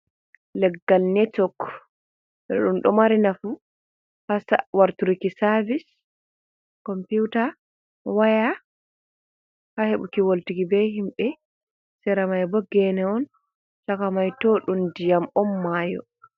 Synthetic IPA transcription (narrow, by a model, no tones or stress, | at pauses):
lɛɡːalnɛtɔk | ɛ̰ɗumɗɔmaɾinafu | hasawaɾtuɾikisaɾvis | kɔmputa | waja | haheɓukiwoltiɡibɛɦimɓɛ | sɛɾamajbɔɡɛnɛɔn | sakamajtɔɗundijamɔmːaːjɔ̰